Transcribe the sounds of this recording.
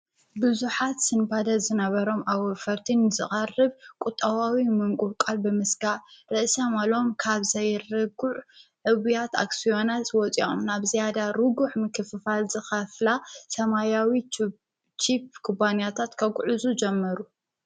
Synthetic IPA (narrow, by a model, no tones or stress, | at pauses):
bɨzuħat̪sɨnbad̪ɐzɨnɐβɐɾo̞mʔawɔfɐɾt̪ʰinzɨχʼɐrɨβkʼut̪ʼːɐwawimɨŋkʼukʼalbɨmɨsɡaʕɾɨʔsɐmalo̞mkʰaβzɐjɾɨɡuʕʕɨβujat̪a̰ksijo̞nat̪wɔt͡sʼio̰mnaβzijad̪aɾɨɡuħmɨkʰːɨfɨfalzɨxɐflasɐmajawi | t͡ʃip̚kʰubanjat̪ʰat̪kʰɐɡʼʕuzud͡ʒɛmːɐɾu